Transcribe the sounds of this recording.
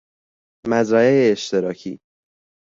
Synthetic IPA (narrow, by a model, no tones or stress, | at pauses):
mæzɾæeeeʃt̪eɾɒːcʰḭː